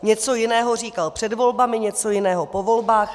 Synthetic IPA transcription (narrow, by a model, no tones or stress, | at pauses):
ɲɛt͡so̞jɪnɛːɦo̞riːkalpr̝̥ɛdvo̞lbamɪɲɛt͡so̞jɪnɛːɦopo̞vo̞lbaːx